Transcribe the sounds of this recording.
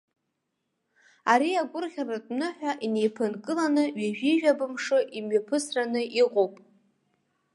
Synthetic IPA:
aɾiaɡʷʊrʁʲaratʼnɨħʷᶣaʔine̞jpʰɨnkʼɨlanɨɥaʒᶣiʒᶣabɨmʂɨʔimɥapʰɨsranɨʔiqʼowpʼ

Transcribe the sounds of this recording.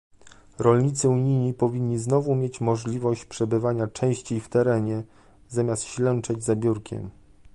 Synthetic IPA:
ɾɔlɲit̪sɘuɲijɲipɔvʲiɲːiznɔvumʲjet͡ɕmɔʐlʲivɔɕt͡ɕpʂɛbɘvaɲat͡ʂɛ̃w̃ɕt͡ɕejft̪ɛɾɛɲɛ | zamʲjast̪ɕlɛnt͡ʂɛd͡ʑzabʲjuɾkʲʰɛ̰m

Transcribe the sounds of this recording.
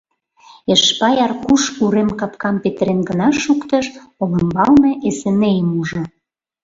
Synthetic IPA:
eʃpɑjɑrkuʃuɾemkɑpkɑmpet̪əɾenɡə̆nɑʃukt̪ɤ̆ʃolə̆mbɑlnɤʔesenejəmuʒŏ

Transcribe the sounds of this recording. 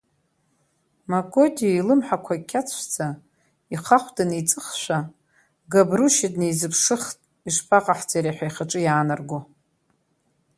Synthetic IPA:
maɡʼodiilɨmħakʷʰakʲʰat͡sʰʷd͡za | iχaχʷdanejt͡sʼɨχʃʷa | ɡabruʃɪdnejzɨpʰʂɨχtʼ | iʂpʰaqʼaħd͡zaɾaħʷᶣajχaʈ͡ʂʼɨjaːnarɡo

